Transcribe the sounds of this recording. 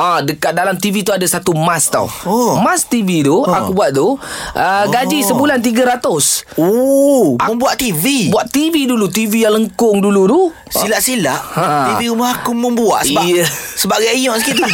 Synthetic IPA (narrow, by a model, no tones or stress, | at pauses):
adəkat̪̚dalamt̪ivit̪uadasat̪umast̪a̰wmast̪ivit̪uakubuaʔ̪̚t̪uʔəɡad͡ʒisəbulant̪̬iɡəɾat̪ʊso | mməmbuaʔt̪ivibuaʔt̪ividulut̪ivijaŋləŋkʊŋdulut̪u | silaʔsilaʔat̪iviɾumahakʊmə̃mbua̰ʔsəibaəsəbaɡajɲɔʔsəkit̪u